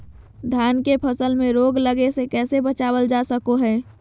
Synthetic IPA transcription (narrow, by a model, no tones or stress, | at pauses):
d̪ʱjaːnkepʰəsəlmẽɾoːɡləɡesekɛːsebət͡ʃaːwəld͡ʒasəkoɦɛː